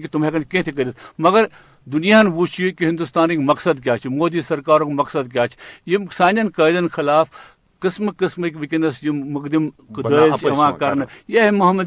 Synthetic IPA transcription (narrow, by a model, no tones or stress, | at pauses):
kit̪ʊmeːkɐnkẽːt̪ʰekɐd̪t̪ʰmɐɡɐɾ | d̪ʊnijaːnbut͡ʃʰijukiɦɪ̃nd̪ust̪aːnikmɐksɐd̪k̬jaːt͡ʃʰimoːd̪isɐɾkaːɾõːkmɐksɐd̪k̬jaːt͡ʃʰjimsaːnɐnkɐːjd̪ɐnxʰɪlaːf | kɪsmkɪsməkʲbikinɐsjimʊkd̪imkd̪əːt͡ʃʰɐʋãːkɐɾnjeɦmɐɦɐmːɐd̪